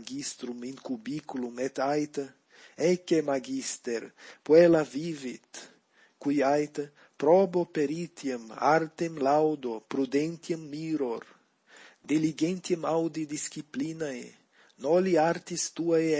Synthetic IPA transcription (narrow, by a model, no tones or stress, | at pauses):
ɡist̪ɾumiŋkubikulumet̪ajt̪ | ɛkemaɡist̪eɾpwelavivit̪ | kujajt̪ | pɾɔbopeɾit̪jemaɾt̪emlawd̪opɾud̪ent̪jemːiɾoɾ | d̪iliɡent̪jemawd̪id̪iskiplinaj | nɔliaɾt̪ist̪ua